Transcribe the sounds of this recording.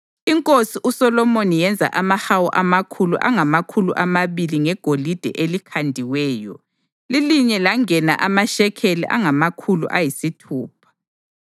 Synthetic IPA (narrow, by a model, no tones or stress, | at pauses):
iŋkʼosiʔusɔlɔmonijɛnd͡zʱa̰ʔamahawɔʔamakʰulṵʔaŋamakʰulṵʔamaβiliŋɛɡ̥ʱolid̥ʱɛ̰ʔelikʰandʱiwɛːjɔ̰ | liliɲɛlaŋɛna̰ʔamaʃɛkʰelḭʔa̰ŋamakʰulṵʔajisitʰuːp̚ʰḁ